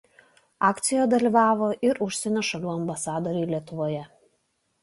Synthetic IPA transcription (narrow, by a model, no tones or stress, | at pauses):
ɑːkt̪sʲɪjoːjd̪ɐlʲiʋɑːʋoːʔɪɾʊʃʲsʲɛnʲoːʃɐlʲuːɐmbɐsɑːd̪oːɾʲɛɪlʲiɛt̪ʊʋoːjɛ